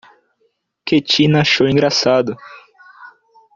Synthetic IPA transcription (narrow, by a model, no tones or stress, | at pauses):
ket͡ʃinaʃowĩŋɡɾasad̪ʊ